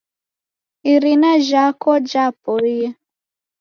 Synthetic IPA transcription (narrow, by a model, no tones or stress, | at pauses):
iɾinaʒakɔd͡ʒapoɾija